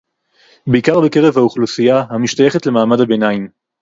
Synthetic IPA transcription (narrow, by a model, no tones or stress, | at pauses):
beikaʁbeke̞ʁe̞vhauχlusijahamiʃtaje̞χetle̞maːmadabe̞naim